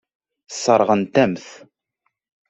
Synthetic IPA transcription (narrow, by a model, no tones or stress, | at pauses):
sˤəɾˤʁənt̪æmθ